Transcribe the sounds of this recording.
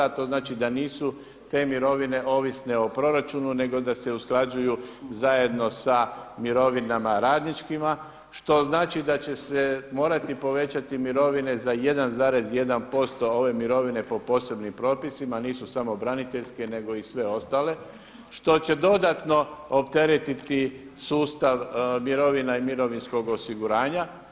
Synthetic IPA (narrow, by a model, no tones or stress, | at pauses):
at̪o̞znaːt͡ʃid̪aniːsu | t̪e̞miɾo̞ʋine̞ʔo̞ːʋisne̞o̞pɾo̞ɾat͡ʃunune̞ɡo̞d̪ase̞usklˠad͡ʒujuzaje̞d̪no̞samiɾo̞ʋinamaɾaːd̪nit͡ʃkima | ʃt̪o̞znaːt͡ʃid̪at͡ɕe̞se̞mo̞ːɾat̪ipo̞ʋe̞t͡ɕat̪imiɾo̞ʋine̞zaje̞d̪anzaːɾe̞zje̞d̪anpo̞st̪o̞o̞ʋe̞miɾo̞ʋine̞po̞po̞ːse̞bnimpɾo̞ːpisimaniːsusamo̞bɾanit̪eʎske̞ne̞ɡo̞isʋe̞o̞st̪aːle̞ | ʃt̪o̞t͡ɕe̞d̪o̞d̪at̪no̞opt̪e̞ɾet̪it̪isuːst̪aʋmiɾo̞ʋinaimiɾo̞ʋinsko̞ɡo̞siɡuɾaːɲa